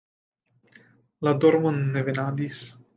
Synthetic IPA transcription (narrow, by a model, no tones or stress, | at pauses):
lad̪oɾmonːevenad̪is